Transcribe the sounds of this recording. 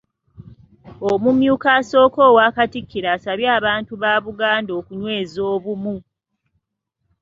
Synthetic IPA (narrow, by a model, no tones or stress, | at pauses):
omumjuːkaso̞ːko̞ːwaːkatikʰːiɾaːsaβjaːβaːntuβaːβuɡaːndo̞ːkuɲwe̞ːzoːβumu